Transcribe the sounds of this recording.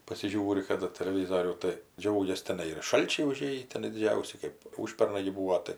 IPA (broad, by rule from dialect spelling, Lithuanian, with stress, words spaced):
pɐsʲɪˈʒʲuːrʲɪ kɐˈdɐ tʲɛlʲɛˈʋʲiːzoːrʲuː tɐɪ ˈd͡ʒʲɛʊɡʲɛs tʲɛˈnɐɪ ɪr ˈʃɐlʲt͡ʃʲɛɪ ʊˈʒʲeːjiː tʲɛˈnɐɪ dʲɪˈd͡ʒʲɛʊsʲɪ ˈkɜp ˈuːʃʲpʲɛrnɐɪ ɡʲɪ ˈbuːoː tɐɪ